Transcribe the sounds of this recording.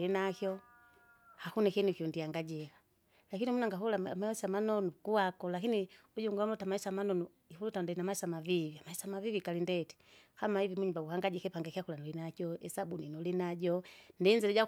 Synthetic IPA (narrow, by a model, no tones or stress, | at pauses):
inakjɔ | hakunikɛniukiundiaŋɡaɟɛka | lakinimunaŋɡaɦulamaisamanɔnukuwakɔlakiniuɟuŋɡuamulutamaisamanɔnu | ihulutandɛnamaisamaviviamaisamavivikalindɛti̥ | hamaivimuɲumbauhaŋɡaɟɛkɛpaŋɡakiakulanɔlinakɔɛsabuninɔlinaɟɔndɛnd͡ʒilɛɟa